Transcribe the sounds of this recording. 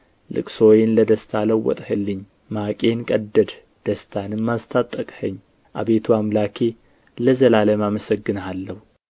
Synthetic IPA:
lɨ̰kʼso̞jɪnləd̪əst̪ʰaləwːɔ̰t̪ʼhɨlːɨɲː | makʼe̞nkʼəd̪ːəd̪ | d̪̥əst̪ʰanɨmːast̪ʰat̪ʼːəkʼhəɲː | ʔa̰βe̞t̪ʰuamlakʰe | ləzəlaləmaməsəɡːɨnalːəhu

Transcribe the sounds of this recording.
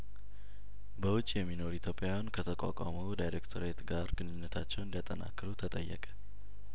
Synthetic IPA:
bəwʊt͡ʃʼːjɛmːino̞ɾuit̪ʰjo̞pʼjawjankʰət̪ʰəkʷʼa̰kʼa̰məwd̪ajɾekt̪ʰoɾet̪ɡaɾɡɨnɨnːət̪ʰat͡ʃːɛwɨnd̪ijat̪ʼəna̰kːɨɾut̪ʰət̪ʼəjːə̰kʼə̥

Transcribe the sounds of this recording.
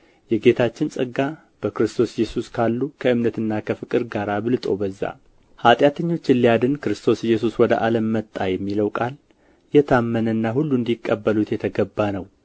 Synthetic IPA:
jɛɡe̞t̪ʰat͡ʃːɪnsʼəɡːa | b̥əkɾɨst̪ʰo̞sjɛsuskʰalːukʰəɨmnət̪ɨnːakʰəfɨkʼɨɾɡaɾabɨlt̪ʼo̞̰bəzːa̰ | hat̪ʼjat̪ʰəɲːo̞t͡ʃːɪlːijad̪ɨnkɨɾɨst̪ʰo̞sɪjːɛsuswɔd̪ə̰ʔaləmːət̪ʼːajɛmːiləwkʼal | jɛt̪ʰamːənənːahulːund̪ikʼːəbːəlut̪jɛt̪ʰəɡəbːanəw

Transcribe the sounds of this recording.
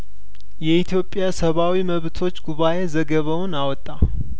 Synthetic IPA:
jɛit̪ʰjo̞pʼːjasəβawiməβt̪ʰo̞t͡ʃːɡuβaʔe̞zəɡəβəwnawɔt̪ʼːa

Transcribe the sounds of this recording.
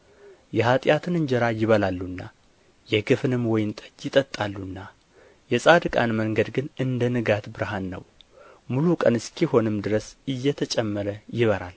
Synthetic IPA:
jɛhat̪ʼjat̪ʰɨnɨɲd͡ʒɛɾajɪβəlalːunːa | jɛɡɨfɨnɨmwɔjɪnt̪ʼəjɪt̪ʼət̪ʼːalːunːa | jɛsʼad̪ɨkʼanməŋɡəd̪ɡɨnɨnd̪ənɨɡat̪bɨɾɦanːə̰wmulukʼənɨskʰiho̞nɨmd̪ɨɾəsɨjːɛt̪ʰət͡ʃʼɛmːəɾəjɪβəɾa̰l

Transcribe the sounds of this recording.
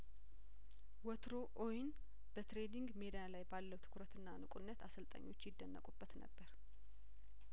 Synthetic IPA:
wɔt̪ʰɾoʔojɪn | b̥ət̪ɾe̞d̪iŋɡme̞d̪ialajbalːəwt̪ʰɨ̥kʰɾət̪ɨnːanɨkʷʼunːət̪asəlt̪ʼə̰ɲːo̞t͡ʃːjɪd̪ːənːə̰kʼubːət̪nə̰bːəɾ

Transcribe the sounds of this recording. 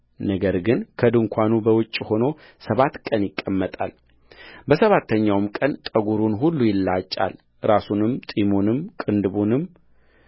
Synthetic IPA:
nəɡəɾɡɨnkʰəd̪ɨŋkʷʰanubəwʊt͡ʃʼːho̞no̞ | səβat̪kʼənjɪkʼːəmːət̪ʼa̰l | bəsəβat̪ʰːəɲːawmkʼənt̪ʼəɡuɾunɦulːujɪlːat͡ʃʼːa̰l | ɾasunɨmt̪ʼimonɨmkʼɨnd̪ɨβunɨm

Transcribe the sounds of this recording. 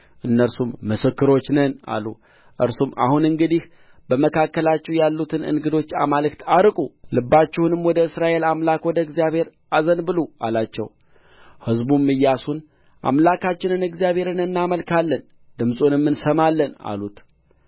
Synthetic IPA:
ʔɨnːəɾsumːɨsɨkːɨɾo̞t͡ʃːnɨna̰lṵ | ʔɨɾsuma̰hunɨŋɡɨd̪ih | b̥əməkʰakːəlat͡ʃːɛwjalːut̪ʰɨnɨ̰nɡɨd̪o̞t͡ʃːa̰malɨkt̪ʰaɾkʼulɨbːat͡ʃːɛhunɨmwɔd̪əɨsɾaʔe̞lamlakwɔd̪əɪɡzijaβhe̞ɾ | azənbɨlua̰lat͡ʃːɛw | hɨzbumːɨjːasun | ʔa̰mlakʰat͡ʃːɪnɨnɨɡzijaβhe̞ɾɨnɨnːaməlkʰalːən | d̪ɨmsʼunɨmːɨnsəmalːəna̰lut̪

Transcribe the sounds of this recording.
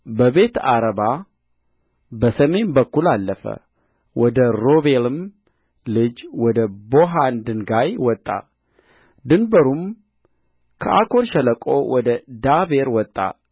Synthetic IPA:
bəβe̞t̪aɾəβa | bəsəme̞nbəkːulalːəfə̰ | wɔd̪əɾo̞βe̞lɨm | lɨd͡ʒwɔd̪əbo̞ɦand̪ɨnɡajwɔt̪ʼːa̰ | d̪ɨnbəɾum | kʰəʔa̰kʰo̞ɾʃɛləkʼo̰wʔɔd̪əd̪abe̞ɾwɔt̪ʼːa̰

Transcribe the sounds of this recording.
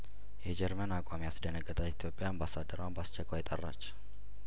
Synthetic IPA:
jɛd͡ʒɛɾmənakʷʼamijasd̪ənəɡːət̪ʼait̪ʰijo̞pʼːjaəmbasad̪ːəɾəwambast͡ʃːɛkʰʼʷajɪt̪ʼərːat͡ʃː

